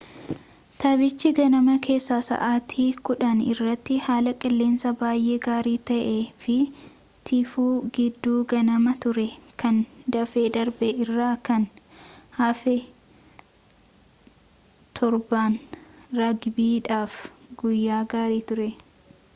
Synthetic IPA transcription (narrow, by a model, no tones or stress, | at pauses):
t̪ɐbɪt͡ʃːɪɡɐnɐmɐkʰe̞ːsːaːsɐ̰ʔaːt̪ʰiːkʊᶑɐnɪrːɐt̪ːɪhaːlɐkʼɪlːe̞ːnsɐbaːjʔe̞ːɡaːɾiːt̪ɐʔe̞ːfɪ | t̪ʰɪfuːɡɪd̪ːuːɡɐnɐmɐt̪ʊɾɛkɐnd̪ɐfeːd̪ɐɾbɛʔɪrːaːkɐnhɐfɛ | t̪ʰɔɾbaːnɾɐɡbiːᶑaːfɡʊjːaːɡaːɾiːt̪ʊɾɛ